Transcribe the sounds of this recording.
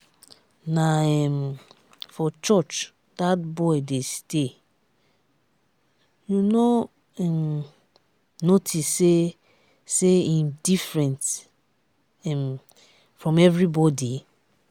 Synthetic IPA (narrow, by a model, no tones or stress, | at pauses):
naɛm | fɔt͡ʃɔt͡ʃ | d̥at̚bɔɪdeste | juno | ɛm | notʰisːe | seĩndifɹɛ̃nt | ɛm | fɹɔ̃mɛvɹibɔdi